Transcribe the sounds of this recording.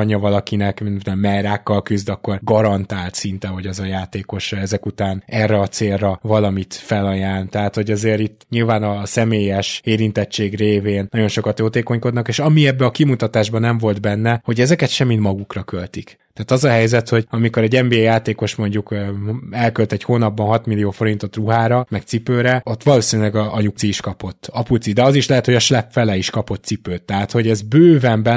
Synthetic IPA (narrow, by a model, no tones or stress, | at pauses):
ɲɒvɒlɒkinɛkminnɛmːɛɾaːkːɒlkyzd̪ɒkːo̞rɡɒɾɒnt̪aːlt̪sint̪ɛɦo̞ɟɛzɒjaːt̪eːko̞ʃɛzɛkut̪aːnɛrːɛɒt̪seːlrɒvɒlɒmit̪fɛlɒjaːnt̪ɛɦaːt̪ho̞ɟɛzeːɾit̪ːɲilvaːnɒsɛmeːjɛʃeːɾint̪ɛt͡ʃeːɡreːveːnnɒɟo̞nʃo̞kɒt̪joːt̪eːko̞ɲko̞d̪nɒkeːʃɒmiɛbːɛɒkimut̪ɒt̪aːʒbɒnɛɱvo̞ld̪bɛnːɛho̞ɟɛzɛkɛt̪ʃɛmːit̪mɒɡukrɒkølt̪ikt̪ɛaːt̪ɒzɒɦɛjzɛt̪ho̞ɟɒmiko̞ɾɛɟɛmbeːjaːt̪eːko̞ʃmo̞ɲɟukːɛlkølt̪ɛchoːnɒbːɒnɦɒt̪milijoːfo̞ɾint̪o̞t̪ruɦaːɾɒmɛk̚t̪sipøːɾɛo̞t̪ʋɒloːsinylɛɡɒɲuk̚t̪siːʃkɒpo̞t̪ːɒput̪sid̪ɛɒziʃlɛɦɛt̪hoɒʃlɛpfɛlɛiʃkɒpo̞t̪̚sipøːt̪ːɛɦaːt̪ho̞ɟɛzbøːvɛmbɛ